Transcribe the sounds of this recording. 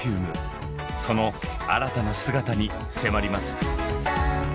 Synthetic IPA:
ɯːmɯ̟ | so̞no̞a̰ɾat̪anasɨɡat̪aɲ̟i | se̞maɾʲimasɨ̥

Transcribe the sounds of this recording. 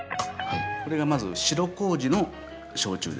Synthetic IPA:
hako̞ɾe̞ɡamazɨ̰ɕiɾo̞ko̞ːʑino̞ | ɕo̞̰ːt͡ɕɨ̰ːd̪e

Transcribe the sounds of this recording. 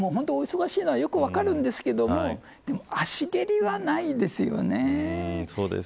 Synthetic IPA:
moːɦo̞nt̪ooiso̞ɡaɕiːno̞βajo̞kɯ̟βakaɾɯ̟̃nd̪e̞sɨ̥ke̞d̪o̞mo̞ | d̪̥e̞mo̞aɕiɡe̞ɾʲiβanaid̪e̞sɨjo̞̰ne̞soːd̪ḛs

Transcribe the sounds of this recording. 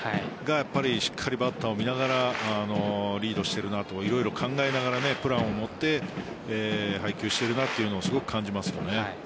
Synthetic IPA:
ɡajapːaɾʲiɕi̥kʰːaɾʲibat̪ːaomʲinaɡaɾaano̞ɾʲiːd̪o̞ɕi̥t̪e̞ɾɯ̟nat̪o̞kaiɾo̞iɾo̞kʰãŋɡae̞naɡaɾane̞pɯ̟ɾãɰ̃o̞mo̞t̪ːe̞ | eːɦaikʲɨːɕi̥t̪e̞ɾɯ̟nat̪ːe̞iɯ̟no̞ːsɨɡo̞kɯ̟̥kʰãɲ̟d͡ʑimasɨjo̞̰ne

